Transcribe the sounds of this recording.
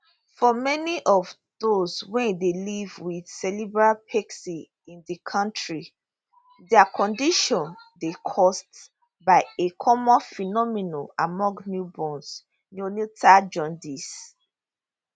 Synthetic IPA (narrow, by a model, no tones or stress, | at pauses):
fɔmɛniʔɔv | doswɛ̃ndelivwið̥sɛlibɹapʰɛksi | ĩndikʰɔ̃ntɹi | dɛakʰɔ̃ndiʃɔ̃ndekʰɔst | baɪekʰɔmɔ̃nfinɔminoamɔ̃ŋɡnjubɔ̃ns | nunitad͡ʒɔ̃ndis